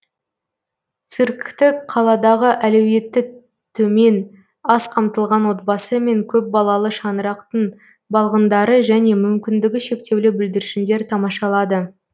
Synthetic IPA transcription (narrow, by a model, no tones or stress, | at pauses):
t̪sɨɾkʲɪkt̪ɪkqʰɑlˠɑd̪ɑʁəʔælewje̞t̪ːɪ | t̪ʰɵme̞n | ɑsqʰɑmt̪əlˠʁɑnwo̞t̪̚bɑsəme̞ŋkʲʰɵp̚bɑlˠɑlˠəʃɑnəɾɑqt̪əɴ | bɑlˠʁənd̪ɑɾəʒæne̞mʏmkʲɪnd̪ɪɡʲɪʃe̞kt̪e̞wlɪbɪld̪ɪɾɪʃɪnd̪e̞ɾt̪ʰɑmɑʃɑlˠɑd̪ə